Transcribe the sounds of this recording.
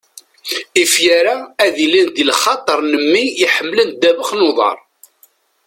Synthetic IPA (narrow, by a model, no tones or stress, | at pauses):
ifjaɾaæðilind̪ilχɑt̪ˤəɾˤnəmːiiħəmːlənd̪ævəχnoðˤɑ̰ɾˤ